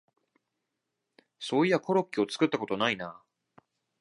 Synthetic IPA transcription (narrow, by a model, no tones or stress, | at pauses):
soːiako̞ɾo̞kʲːio̞t͡sɨ̥kɯ̟t̪ːako̞t̪o̞naina